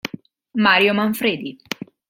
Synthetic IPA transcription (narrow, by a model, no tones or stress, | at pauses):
maːɾjomaɱfɾeːd̪i